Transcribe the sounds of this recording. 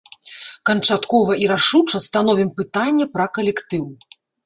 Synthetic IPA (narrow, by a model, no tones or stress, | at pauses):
kɐnt͡ʂat̪kɔvɐʔiɾaʂut͡ʂɐst̪an̪ɔvʲimpɨt̪anʲːɛpɾɐkɐlʲɛkt̪ɨw